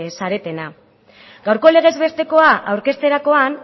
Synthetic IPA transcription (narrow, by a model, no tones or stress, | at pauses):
saɾe̞t̪e̞na | ɡawɾko̞le̞ɣ̞e̞zβe̞st̪e̞ko̞aʔawɾke̞st̪e̞ɾako̞an